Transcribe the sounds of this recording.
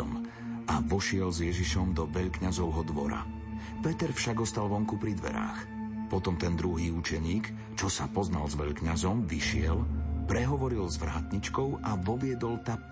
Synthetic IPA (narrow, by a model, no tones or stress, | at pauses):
ɔm | aʋɔʃɪɛlzjɛʒiʃɔmd̪ɔʋɛʎkɲazɔʊɦɔd̪ʋɔɾa̰ | pɛt̪ɛɾfʃaɡɔst̪alʋɔŋkupɾid̪ʋɛ̰ɾa̰ːx | pɔt̪ɔmt̪ɛnd̪ɾuɦiːut͡ʃɛɲiːk | t͡ʃɔsapɔznalzʋɛʎkɲazɔmʋiʃɪɛlpɾɛɦɔʋɔɾilzʋɾaːt̪ɲit͡ʃkɔʊʔaʋɔʋɪɛd̪ɔlt̪a